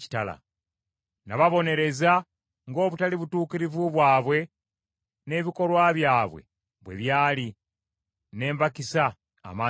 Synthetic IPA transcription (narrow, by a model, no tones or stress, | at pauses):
i̥tala̰ | naβaβo̞ne̞ɾe̞za | ŋɡo̞ːβutaliβutuːkiɾivuβwaːβwe̞ | ne̞βiko̞lwaβjaːβwe̞̰ | βwe̞̰βjaːli | ne̞ːmbakisa̰ː | maː